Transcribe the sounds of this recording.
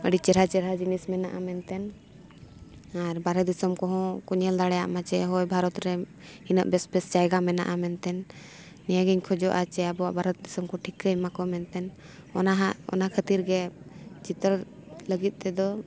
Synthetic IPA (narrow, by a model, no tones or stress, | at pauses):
əɽit͡ʃɛɾat͡ʃɛɾɦad͡ʒinismɛnaʔamɛnt̪ɛn | aɾbaɾɛt̪̚d̪isəmkɔɦɔ̃kuɲɛld̪aɽɛja̰ʔmat͡ʃɛɦɔjbʱaɾɔt̪ɾɛ | inə̰ʔbɛsbɛst͡ʃajɡamɛna̰ʔamɛnt̪ɛnː | ɛjaɡəɲkʰɔd͡ʒɔʔat͡ʃɛabɔwaʔbʱaɾɔt̪̚d̪isəmkɔʈʰikəjmakɔmɛnt̪ɛn | ɔnaɦaʔɔ̰nakʰət̪iɾɡɛt͡ʃit̪əɾləɡit̪̚ˀt̪ɛd̪ɔ